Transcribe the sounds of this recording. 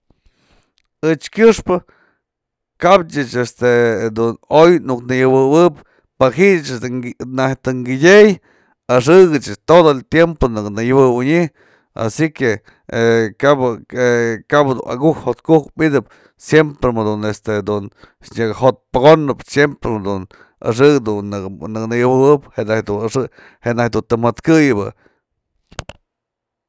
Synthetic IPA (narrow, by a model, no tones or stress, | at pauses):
ɨt͡ʃkʲjɨʂpɨ | kab̚t͡ʃɨt͡ʃest̪ed̪unojnuknɨjɨwɨwɨp | paɦiʔt͡ʃnaht̪ɨŋɡidʲej | aʂɨɡɨt͡ʃt̪od̪olt̪jemponuknɨjɨbɨwɨɲi | a̰sike | kab | kabd̪ṵna̰ɡuhhot̪kukmid̪ɨp̚ | sjempɾemod̪unest̪ed̪un | ɲɨkhot̪̚paɡonɨpsjempɾed̪un | a̰ʂɨɡd̪unnɨk̚nɨjɨwɨɨpheʔnahd̪unaʂɨ | heʔnahd̪unt̪ɨmat̪kɨjɨbɨ̰